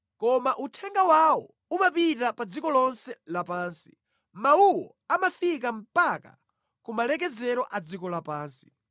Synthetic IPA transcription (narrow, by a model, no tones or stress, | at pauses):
kɔmaʔutʰɛŋɡawaɔ̰ | umapitapad͡zikɔlɔnsɛlapaːnsi̥ | mauwɔ̰ | amafik̬am̩paka̰ | kumalɛk̬ɛzɛɾɔʔad͡zikɔlapaːnsi̥